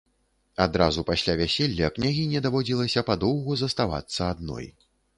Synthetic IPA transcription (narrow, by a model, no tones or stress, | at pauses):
ad̪ɾazupasʲlʲavʲasʲelʲːɐknʲaɣʲinʲɛd̪avɔd͡zʲilˠɐsʲɐpad̪ɔwɣuzɐst̪ava̰t̪sːɐad̪̚nɔ̰j